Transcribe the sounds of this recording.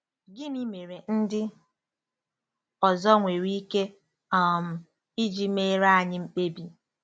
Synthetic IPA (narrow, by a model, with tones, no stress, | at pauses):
ɡɪ˦mi˦me˨ɾe˨n̩˦dɪ˦ | ɔ˨zɔ˦ŋʷe˨ɾi˦ke˦ | m̩˨ | i˦d͡ʒi˨me˦ɾa˦a˨ɲɪ˦m̩˦k͡pe˦bi˨